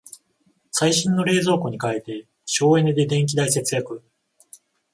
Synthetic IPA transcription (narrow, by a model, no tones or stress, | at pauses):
saiɕĩnːo̞ɾe̞ːzo̞ːko̞ɲ̟ikaet̪e̞ | ɕo̞ːẽ̞nd̪e̞d̪ẽ̞ŋk̬ʲid̪aise̞t͡sɨjakɯ̟